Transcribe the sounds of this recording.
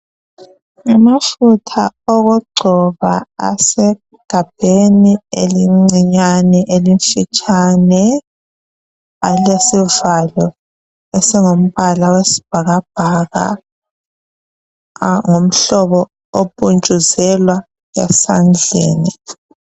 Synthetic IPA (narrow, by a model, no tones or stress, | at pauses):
ŋamafutʰaoɣuɡ͡ǀʱɔβa̰a̰sɛ | ɡ̥ʱab̥ʱenieliŋ͡ǀiɲanɛʔeliɱfit͡ʃʼanɛ | alesivalɔ | ɛsɛŋom̩βalawesi̥b̥ʱaɣab̥ʱaɣa̰ | ŋom̩ɬɔβɔ | opʼunt͡ʃʼuzɛlwa | jɛ̰sand͡ɮʱḛːni